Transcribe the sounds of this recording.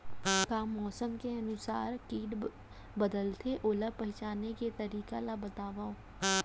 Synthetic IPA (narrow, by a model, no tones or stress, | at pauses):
kaːmɔːsəmkeɐnʊsa̰ːɾkiːɖ | bəd̪əlt̪ʰeʔoːləpɛɦt͡ʃaːnːeket̪ɐɾiːkalabɐt̪aːʋaoː